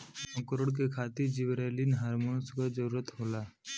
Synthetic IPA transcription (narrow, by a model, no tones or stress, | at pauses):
ə̃kəɾoɽk̬ekʰat̪iɾd͡ʒiʋɾelinɦaɾmonskad͡ʒəɾuːɾət̪ɦola